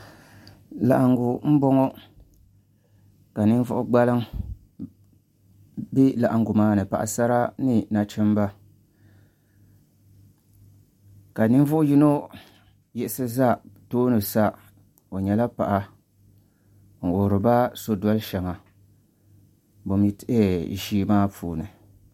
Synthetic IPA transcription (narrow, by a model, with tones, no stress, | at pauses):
la̰˨ʔa˨ŋɡu˨m̩˦bɔ˦ŋo˦ | ka˨nɨ˦n˦vʊ˦ʔʊ˦ɡ͡ba˦lɨ˦ŋ | bi˦la˨ʔa˨ŋɡʊ˨maː˦nɨ˨pa̰˨ʔa̰˨sa˦ɾa˦nɨ˦na˨t͡ʃɛ˦m˦ba˦ | ka˨nɨ˦n˦vʊ˦ʔʊ˦ji˦no˦ | jɛ˦ɪ˦sɨ˦za˦˨toː˦nɨ˨sa˦ | o˨ɲɛ˨la˦pa̰˨ʔa˨ | ŋ̩˨ʔo˨ɾɨ˨ba˦so˦dɔ˦lʃɛ˨ŋa˨ | bo˨mi˦tɪ˦ʔe˦ḭ˨ʃiː˦maː˦pʰuː˨nɨ˨